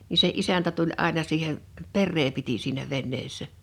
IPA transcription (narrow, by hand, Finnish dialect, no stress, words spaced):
ni se ʔisæntæ tulʲ ʔɑˑenɑ siːhe perːeː piti siːnæ ʋenːeːsːæ